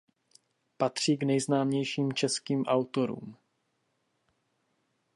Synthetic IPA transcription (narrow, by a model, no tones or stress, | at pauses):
pat̪r̝̥iːɡnɛjznaːmɲɛjʃiːmt͡ʃɛskiːmʔawt̪o̞ɾṵːm